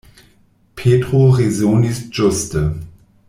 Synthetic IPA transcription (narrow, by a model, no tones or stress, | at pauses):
pʰeːtʁ̥oʁezoːnisʒ̥ʊstə